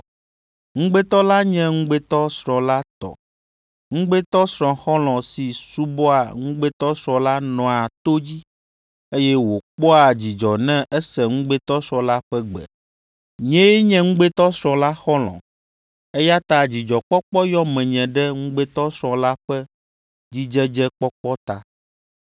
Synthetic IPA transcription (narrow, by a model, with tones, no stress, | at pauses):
ŋũ˦ɡ͡be˦t̪ɔ˦la˦ɲɛ̃˦ŋũ˦ɡ͡be˦t̪ɔ˦sɾɔ̃˨la˦t̪ɔ̰˨ | ŋũ˦ɡ͡be˦t̪ɔ˦sɾ̃ɔ̃˨xɔ˦l̃ɔ̃˨si˨su˦bɔ˦a˨ŋũ˦ɡ͡be˦t̪ɔ˦sɾɔ̃˨la˦nɔ̃˨a˨t̪o˦d͡ʑi˦ | e˦jɛ˦wo˨k͡pɔ˦a˨d͡ʑi˨d͡ʒɔ˨nɛ̃˦ʔɛ˦sɛ˨ŋũ˦ɡ͡bɛ˦t̪ɔ˦sɾɔ̃˦la˦ɸɛ˦ɡ͡bɛ̰˨ | ɲɛ̃˦ɲɛ̃˦ŋũ˦ɡ͡be˦t̪ɔ˦sɾɔ̃˨la˦xɔ˦lɔ̰̃˨ | ɛ˦ja˦t̪a˦d͡ʑi˨d͡ʒɔ˨k͡pɔ˦k͡pɔ˦jɔ˦mɛ̃˨ɲɛ̃˨ɖɛ˦ŋũ˦ɡ͡bɛ˦t̪ɔ˦sɾ̃ɔ̃˨la˦ɸɛ˦ | d͡ʑi˦d͡ʒɛ˦d͡ʒɛ˦k͡pɔ˦k͡pɔ˦t̪a˨